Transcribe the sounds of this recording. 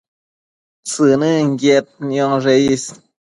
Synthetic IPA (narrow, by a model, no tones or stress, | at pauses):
sɨnɨŋɡet̪̚njoŋʐeis